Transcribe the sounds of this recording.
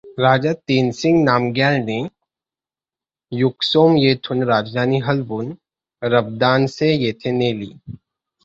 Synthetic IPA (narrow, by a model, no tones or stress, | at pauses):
ɾaːd͡ʒaːt̪eːnsɪ̃ŋɡnaːmɡɛːlne | jʊksoːmjeːt̪ʰʊnɾaːd͡ʒd̪ʱaːniɦɐlbʊn | ɾɐbd̪aːnsejeːt̪ʰeneːlḭː